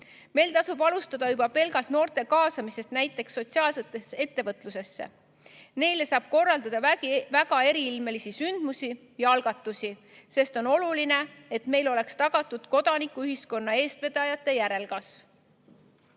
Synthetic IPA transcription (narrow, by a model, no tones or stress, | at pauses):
me̞jlt̪ɑsub̥ɑlust̪ɑd̪̥ɑyb̥ɑpe̞lɡɑlt̪no̞ːrt̪e̞kɑːsɑmise̞st̪næjt̪ːˑe̞ksːo̞t̪siɑːlset̪ːˑe̞sːee̞t̪ːe̞vɤt̪ˑluse̞sːe̞̰ | ne̞jle̞sɑːb̥̚ko̞rːɑld̪ɑd̪̥ɑvæɡ̥ɑe̞ɾiilme̞lisisynd̪̥musʲi | jɑɑlɡ̥ɑt̪ːˑusʲi | se̞st̪o̞no̞luline̞e̞t̪me̞jlo̞le̞kst̪ɑɡ̥ɑt̪ːˑud̪̥ko̞d̪̥ɑnikːˑuyɦisko̞nːɑe̞ːst̪ve̞d̪ɑjɑt̪ːˑe̞jæɾe̞lkɑsv